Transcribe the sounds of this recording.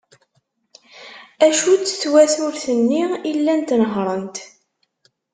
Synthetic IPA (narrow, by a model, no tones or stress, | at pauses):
æʃut͡sːθwæθuɾθənːiʁilːænt̪nəɦɾˤənt̪